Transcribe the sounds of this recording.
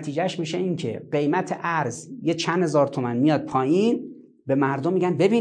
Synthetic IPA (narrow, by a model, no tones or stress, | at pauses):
t̪ʰiːd͡ʒæʃmiʃeiŋcʰḛɢe̞jmæt̪ʰeʔæɾzjet͡ʃʰænd̪he̞zɒːɾt̪ʰomænmijɒːd̪̥̚pʰɒːjiːn | be̞mæɾd̪omːiɟænbe̞biː